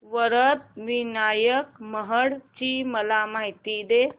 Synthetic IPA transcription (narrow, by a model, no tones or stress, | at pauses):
ʋəɾət̪̚ʋinaːjək̚məɦəɽt͡ʃiməlamaɦit̪id̪e